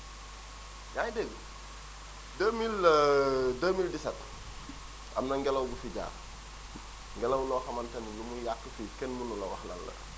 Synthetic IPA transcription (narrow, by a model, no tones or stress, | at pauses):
jajdeɡ | dəːmil | dəmildisɐt | ʔɐ̰mnɐŋɡɛlɐwɡufiɟa̰ː | ŋɡɛlɐwlɔːxɐmɐntɐnjumujakːəfikɛnmunulɐwɐxlɐ̰lːɐ̰